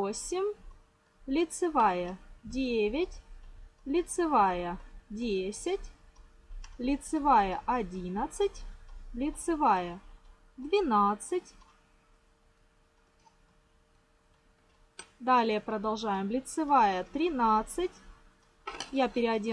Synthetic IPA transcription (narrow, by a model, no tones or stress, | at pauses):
osʲɪmʲ | lʲɪt̪sɨvajədʲevʲɪtʲ | lʲɪt̪sɨvajədʲesʲɪtʲ | lʲɪt̪sɨvajəʔɐdʲinət̪sɨtʲlʲɪt̪sɨvajə | d̪vʲɪnat̪sɨtʲ | d̪alʲɪjəpɾəd̪ɐlˠʐajɪmlʲɪt̪sɨvajət̪ɾʲɪnat̪sɨtʲ | japʲɪɾʲɪɐdʲi